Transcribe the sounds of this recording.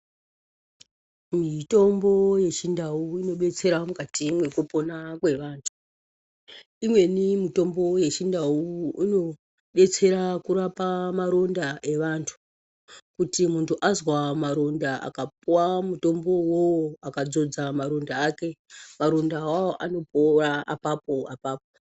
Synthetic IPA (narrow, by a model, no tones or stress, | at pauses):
mito̞mbo̞je̞ʃindauino̞ɓe̞t͡se̞ɾamukatimwe̞kupo̞nakwe̞ʋaːntʰu̥ | imwe̞nimito̞mbo̞je̞t͡ʃindawuino̞ | ɓe̞t͡se̞ɾakuɾapamaɾo̞ndaʔe̞ʋantʰu̥ | kutimuntʰuʔazwamaɾo̞ndaa̰kap̚uwamuto̞mbo̞wowoakad͡zo̞d͡zamaɾo̞ndaːke̞maɾo̞ndawawoʔano̞poraa̰papo̞apaːp̚o